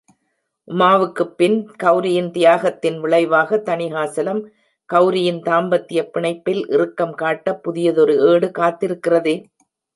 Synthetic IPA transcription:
ʔʊmaːʋɯkːɯpːɪnkɐʊɾɪjɪnt̪ɪjaːɣɐt̪ːɪnʋɪɭɐɪʋaːɣɐt̪ːɐɳɪɣaːsɐlɐm | kɐʊɾɪjɪnt̪aːmbɐt̪ːɪjɐpːɪɳɐɪpːɪlʔɪ̰rɯkːɐmkaːʈːɐpːʊðɪjɐðɔɾɯeːɽɯkaːt̪ːɪɾɯkːɪrɐðeː

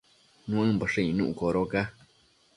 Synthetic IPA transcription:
nũãbəʂɨinṵ̃ʔukoɾoka

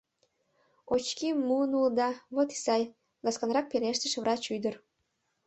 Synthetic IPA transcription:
ot͡ɕkimːuənuld̪ɑβot̪i̥sɑj | ɡɑskɑnɾɑk̚peɾeʃt̪əʃβrɑt͡ɕyd̪ər

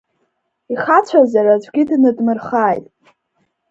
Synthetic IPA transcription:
iχat͡ɕʷʰazaɾat͡ɕʷʰʼɡʲɪdnɨdmɨrχaːjtʼ

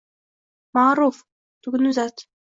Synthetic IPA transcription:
maʕɾˤuːf | t̪uɡnuzat̪

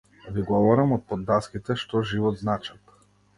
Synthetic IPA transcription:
viɡɔvɔɾamɔt̪̚pɔd̪ːaskit̪ɛʃt̪ɔʒivɔd̪znat͡ʃat̪

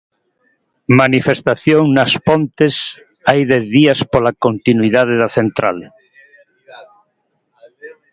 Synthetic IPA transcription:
manifest̪aθjoŋnaspõnt̪es | ajðɛθðiaspolakont̪inwiðað̞eðaθent̪ɾa̰l

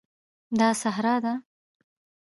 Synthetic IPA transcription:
d̪ɑsaɦɾɑd̪a

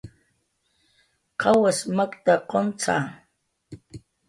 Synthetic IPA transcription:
qʰawasmakt̪aqont͡sa̰ː

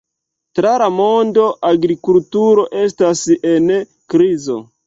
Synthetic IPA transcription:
tɾalamo̞ndo̞ʔaɡɾikultuɾo̞ʔe̞stasen | kɾizo̞̰

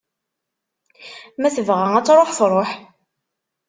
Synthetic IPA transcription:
mæθəvʁæŋæt͡sːɾˤoħθɾˤoħ

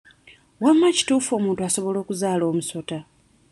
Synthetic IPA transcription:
wamːaci̥tuːfo̞ːmuːntuaso̞βo̞lo̞ːkuzaːlo̞ːmuso̞ta

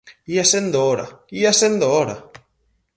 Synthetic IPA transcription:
iasend̪ooɾa̰iasend̪ooɾa̰

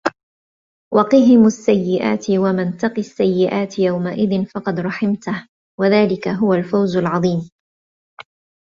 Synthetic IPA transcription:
wʔɑqɨɦɪmʊasːajːɪʔa̰ːt̪ɪwamant̪ɑqiasːajːɪʔaːt̪jawmaʔɪðɪnfɑqɑd̪ɾˤɑħɪmt̪ah | waðaːlɪkaɦʊwalfawzalʕɑðˤiːm

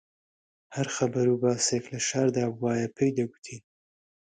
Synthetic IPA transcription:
hɐɾxɐbɐɾubaːseklɐʃaːɾd̪aːbwaːjapʰejd̪ɐɡu̥t̪ʰi

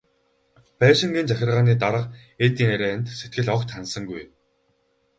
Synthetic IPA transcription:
pæːʃɪ̆ŋɡiːnt͡saxʲɪ̆rʁaːniːt̪aɾə̆qet̪iːŋeɾeːænt̪set̪̚ɡɘ̆ɮɔkt̪ʰansə̆ŋɡuj

